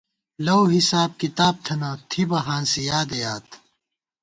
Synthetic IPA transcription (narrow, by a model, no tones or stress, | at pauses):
lɐwɦisaːb̚kit̪aːb̚t̪ʰɐnɐt̪ʰibɐɦaːnsijaːd̪ɐjaːt̪